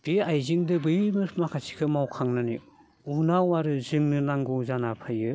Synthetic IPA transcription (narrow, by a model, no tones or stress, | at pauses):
b̥iajzɯŋdɯbɯjmɯmakʰasi̥kʰɯmawkʰaŋnanḭ | unawaɾɯzɯŋnɯnaŋɡɔzanapʰajɯ